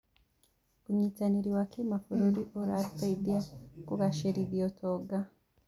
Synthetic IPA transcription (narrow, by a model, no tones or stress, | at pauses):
kumɲitaniɾiwakʰimafoɾoɾiʔoɾaɾfeidiakuβaʃeɾiβiotʰoɡa